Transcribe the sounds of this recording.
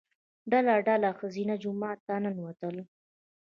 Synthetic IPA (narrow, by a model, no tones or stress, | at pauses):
ɖalaɖalaxəzinad͡ʒʊmɑt̪ːɑnanwat̪əl